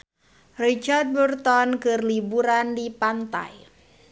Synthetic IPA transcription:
rit͡ʃard̪̚bərt̪ɔnkərlibuɾandipant̪a̰j

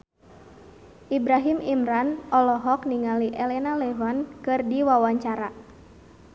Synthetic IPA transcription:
ʔibɾaɦimimɾanɔlɔɦɔkniŋaliʔɛlɛnalɛvankɨrdiwawaɲt͡ʃaɾa

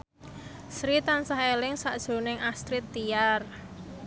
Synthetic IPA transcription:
sɾit̪ansaɦelɪŋsaʔd̥ʒ̥o̤nɪŋast̪ɾit̪ːiar

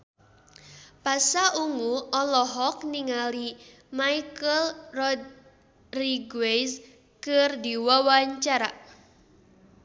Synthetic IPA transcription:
pasaʔuŋuɔlɔɦɔk̚niŋali | majkəlrɔd̪ | riɡwejs | kɨrdiwawaɲt͡ʃaɾa

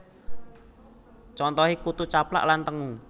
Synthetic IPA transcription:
t͡ʃɔnt̪ɔɦikut̪ut͡ʃapla̰ʔlant̪əŋu

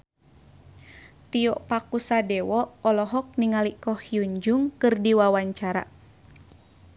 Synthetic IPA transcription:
t̪ijɔʔpakusadɛwɔɔlɔɦɔk̚niŋalikɔhiuɲd͡ʒuŋkɨrdiwawaɲt͡ʃaɾa̰

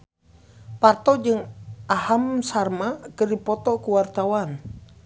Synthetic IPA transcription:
part̪ɔd͡ʒɨŋʔaɦamsarmakərdipɔt̪ɔkuwart̪awan

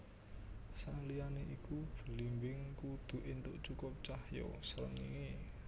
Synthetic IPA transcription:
salijaneʔikub̥ə̤limbɪŋkud̪̥ṳʔɪnt̪ʊʔt͡ʃukʊp̚t͡ʃahjɔ̰səɾə̰ŋḭŋe

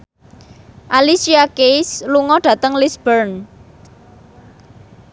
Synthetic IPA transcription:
ʔalisiakejsluŋɔɖ̥ä̤t̪əŋlisb̥ərn

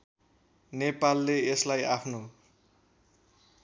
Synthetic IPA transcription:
nepalːeeslajapʰno

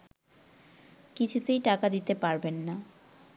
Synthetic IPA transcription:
kit͡ɕʰut̪ejʈakad̪it̪epaɾbenːa

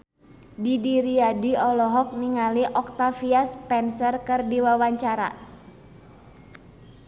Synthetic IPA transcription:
didiɾiadiɔlɔɦɔk̚niŋaliʔɔk̚t̪afiaspɛnsərkɨrdiwawaɲt͡ʃaɾa̰

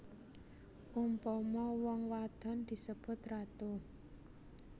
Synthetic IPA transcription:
ʔumpɔmɔwɔŋwad̪̥ɔ̤nd̪̥i̤səb̥ʊ̤t̪rat̪o

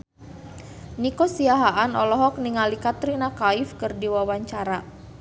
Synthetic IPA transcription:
nikɔsiaɦaʔanɔlɔɦɔk̚niŋalikat̪ɾinakaifkɨrdiwawaɲt͡ʃaɾa

